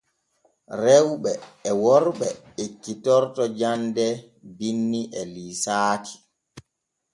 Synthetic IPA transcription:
ɾɛwɓɛːwɔɾɓɛ | ekːitɔɾtɔd͡ʒandɛ | binːiʔɛliːsaːtʰi̥

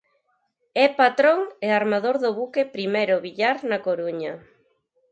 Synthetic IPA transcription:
ɛpat̪ɾoŋeaɾmaðoɾðʊβukepɾimejɾʊβiʎaɾnakoɾuɲɐ

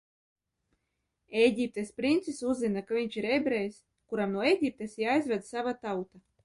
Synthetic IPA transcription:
ejɡʲip̚t̪espɾint̪sisuzːinakavʲiɲʲt͡ʃiɾɛbɾɛjs | kuɾamnuɔeɡʲip̚t̪esjaajzvʲɛd̪savat̪awt̪a

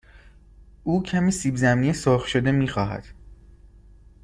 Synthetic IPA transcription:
uːcʰæmiːsiːbzæmnijesoɾxʃod̪e̞miːxɒːɦæ̰d̪̥

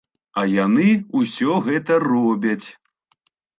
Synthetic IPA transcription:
ɐjanɨusʲɔɣɛt̪ɐrɔbʲɐt͡sʲ

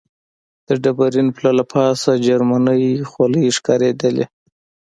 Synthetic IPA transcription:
d̪̥əɖabaɾinplalapʰɑsad͡ʒaɾmanəjxaləjʂkɑɾed̪əlḛ

